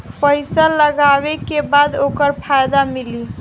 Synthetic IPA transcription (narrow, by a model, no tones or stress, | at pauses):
pəjsəlːəɡaβekebad̪okəɾpʰajd̪amili